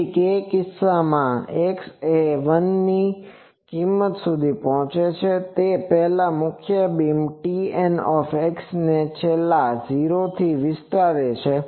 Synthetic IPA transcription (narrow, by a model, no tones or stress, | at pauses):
kekɪsːamãekseʋənːi | kimːət̪sud̪ʱipɔɦɔ̃t͡ʃet͡ʃʰet̪epɛɦlamʊkʰjəbimʈiɛnɔfeksnet͡ʃʰelːad͡ʒiɾot̪ʰiʋɪst̪aɾet͡ʃʰe